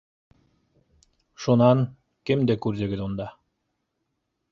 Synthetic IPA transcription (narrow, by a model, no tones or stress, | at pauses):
ʃunɑn | kɘmd̪ækʉɾd̪ɘ̆ɡɘ̆ðund̪ɑ